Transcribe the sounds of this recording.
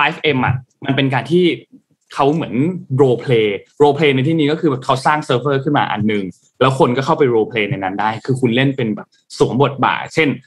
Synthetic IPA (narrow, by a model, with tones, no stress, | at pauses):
laː˦˥fʰʔe˧mʔa̰˨˩ʔma˧npe˧nk̬aː˧nt̪ʰiː˥˩ | kʰa˦˥wmɯ˩˦ənɾoː˧pʰleː˧ɾoː˧pʰleː˧na˧jt̪ʰiː˥˩niː˦kɔ˥˩kʰɯː˧bɛː˨˩kʰa˦˥wsaː˥˩ŋsɤː˦˥p̚ɤː˥˩kʰɯ˥˩nma̰ː˧ʔa̰˧nːɯ˨ŋ | lɛː˦˥wkʰo˧nkɔː˥˩kʰa˥˩wpa˧jɾoː˧pʰleː˧na˧jna˦˥ndaː˥˩jkʰɯː˧kʰu˧nle˥˩npe˧nbɛː˨˩p̚su˨˩˦ŋbo˨˩t̪̚ba̰ː˨˩k̚t͡ɕʰe˥˩n